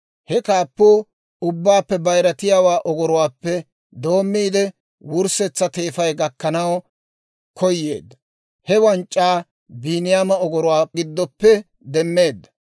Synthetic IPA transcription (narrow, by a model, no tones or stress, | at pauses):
hɛkaːpːuː | ʊbːaːpːɛbɐjɾɐt̪ɪjaːwaːʔɔɡɔɾʊwaːpːɛ | d̪o̞ːmːiːd̪ɛ | wʊɾsɛt͡sːɐt̪e̞ːfɐjɡɐkːɐnɐw | kʰɔjːḛːd̪ːɐ | hɛwɐnt͡ʃʼːaː | biːnɪjaːmɐɔɡɔɾʊwaːɡɪd̪ːɔpːɛ | d̪ɛmːe̞ːd̪ːɐ̥